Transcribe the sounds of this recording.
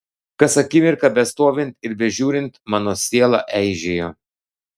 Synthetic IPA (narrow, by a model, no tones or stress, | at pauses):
kɐsɐkʲɪmʲɪɾkɐbʲɛst̪oːʋʲɪnʲˑt̪ʲɪɾbʲɛʒʲuːɾʲɪnt̪mɑːnoːsʲiɛlˠɑʔɛɪʒʲeːjoː